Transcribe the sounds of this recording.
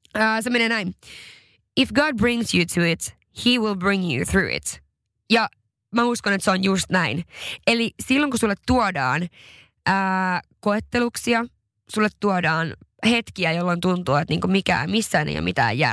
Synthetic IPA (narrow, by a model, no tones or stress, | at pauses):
əːsemːenenæin | ifɡɑːd̚bɹĩŋsjʉt̪ʰuɪt̪ | hiːwilˠbɹĩŋjṵθɹʉ̰ːɪ̰t̪ | jɑ | mæuskonet̪seonjust̪næinelisilːoŋkusulːet̪tːuɔdɑːn | ʔəːkoet̪ːeluksiɑ | sulːet̪ːuɔdɑːnhet̪kiæjolːont̪unt̪uːet̪niːŋkumikæ̰ːmisːæːnʔḛjɑ̰mit̪æ̰ːjjæ̰ː